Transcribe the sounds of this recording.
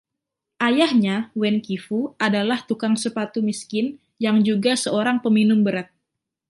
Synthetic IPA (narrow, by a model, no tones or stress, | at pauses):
ʔajahɲawɛnkifuadalaht̪ukaŋsəpat̪umiskɪn | jaŋd͡ʒuɡasəoɾaŋpəminʊmbəɾat̪̚